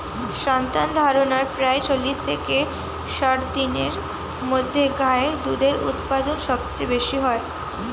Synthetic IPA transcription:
ʃɔnt̪and̪ʱaɾonaɾpɾaet͡ɕolːist̪ʰeke | ʃaʈd̪ineɾ | mod̪ʱːeɡaed̪ud̪eɾṵt̪pad̪onʃɔb̚t͡ɕebeʃiɦɔe

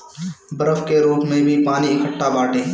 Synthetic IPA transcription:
bəɾəfkeːɾuːpmẽːbʱiːpaːniːɪkʰəʈːaːbaːʈeː

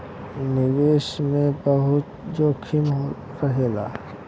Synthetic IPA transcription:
nɪʋeːʃmẽbəɦʊt̪d͡ʒokʰimo | pəɦeːla̰ː

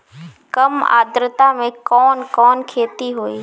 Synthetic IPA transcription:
kəma̰ːd̪ɾət̪amẽkɔːnkɔːnkʰeːt̪iɦoːiː

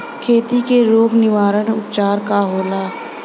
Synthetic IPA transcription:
kʰeːt̪ikeɾoːbnɪʋaːɾənʊpt͡ʃaːɾkaɦoːlaː

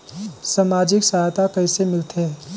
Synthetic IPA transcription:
samaːd͡ʒɪksajt̪akəɪsemɪlt̪ɦe

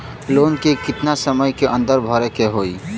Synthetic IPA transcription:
loːnkekɪt̪nasəməjkeʔə̃nd̪əɾbʱɔɾekeɦoːi

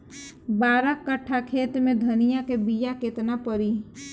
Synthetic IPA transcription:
baːɾəkːəʈʰːakʰeːt̪mẽd̪ʱənɪjakebijakɪt̪napəɾiː

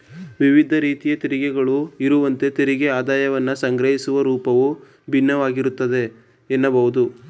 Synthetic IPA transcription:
ʋiʋid̪ʱɐɾiːt̪ijɐt̪iɾiɡɛɡɐɭuiɾuʋɐnt̪e̞t̪iɾiɡeaːd̪aːjɐʋɐnːɐsɐŋɡɾɐɦisuʋɐɾuːpɐʋu | bʱinːɐʋaːɡiɾut̪ːɐd̪e̞ | enːɐbɐɦud̪u

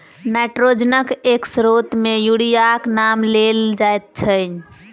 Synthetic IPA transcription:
naʈɾod͡ʒnəkeksɾot̪mejuɽijaknamleld͡ʒaet̪̚t͡ʃʰən

